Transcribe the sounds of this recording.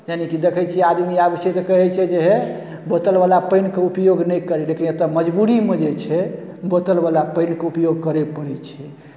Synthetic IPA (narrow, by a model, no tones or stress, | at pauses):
janikid̪ekʰəjt͡ʃʰiad̪miabəʃət̪ɔkəɦɛt͡ʃʰɛd͡ʒeɦɛ | bət̪əlbalapəɪnkeupjoɡnəjkəɾɛlekinjet̪əməd͡ʒbuɾimed͡ʒet͡ʃʰɛ | bət̪əlbalapəɪnkeupjoɡ̚kəɾɛpəɾɛt͡ʃʰɛ